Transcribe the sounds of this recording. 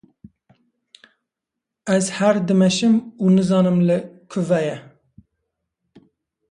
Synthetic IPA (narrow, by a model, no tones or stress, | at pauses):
ɛzhæɾd̪ɨmɛʃɨmuːnɨzɑːnɨmlɨkʰʊvɛjɛ